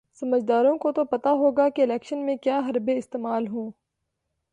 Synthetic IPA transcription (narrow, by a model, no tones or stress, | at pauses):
sɐməd͡ʒd̪aːɾõkot̪opɐt̪aɦoːɡakeɪlɛːkʃənmẽkjaːɦɐɾbeɪst̪eːmaːlɦõː